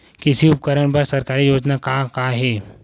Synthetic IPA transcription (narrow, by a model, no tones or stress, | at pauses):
kɪsiʊp̚kəɾəɽ̃pɐɾsɐɾkaːɾijoːd͡ʒnakakaːɦɛː